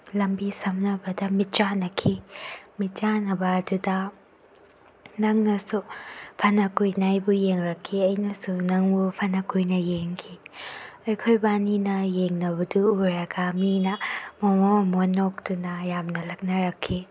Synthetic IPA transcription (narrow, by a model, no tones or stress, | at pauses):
lɐmbisɐmnɐbɐdɐmit͡ʃanɐkʰimit͡ʃanɐbɐːdudɐ | nɐŋnɐsupʰɐnɐkujnajbujeŋɾɐkʰːiɐjnɐsunɐŋbupʰɐnɐkujnɐjeŋkʰi | ɐjkʰojbaninɐjeŋnɐβɐduːɾaɡaminɐmomomonːok̚dunɐjamnɐlɐk̚nɐɾɐkʰːi